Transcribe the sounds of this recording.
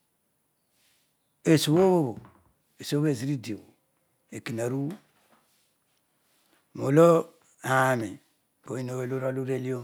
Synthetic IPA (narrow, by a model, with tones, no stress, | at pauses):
e˨su˨wo˦βo˦βo˨ | e˨so˦o˦βe˦˨zi˦ɾi˦di˨o˨ | e˨ki˨na˨ɾu˦ | mo˨lo˦ | ha˨mi˨ | ko˨i˦no˨e˦lo˦ɾo˦lu˦ɾe˦li˦o˦